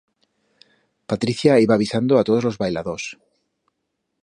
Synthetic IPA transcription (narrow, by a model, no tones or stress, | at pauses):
pat̪ɾiθjaiβaːβisand̪oat̪oðolo̞zβajlaðos